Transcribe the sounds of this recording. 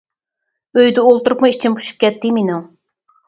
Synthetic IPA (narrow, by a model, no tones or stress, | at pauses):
øjd̪ɪolˠt̪uɾupmɨit͡ʃʰinbʰu̥ʃu̥p̚kʲɛt̪ːɪminuŋ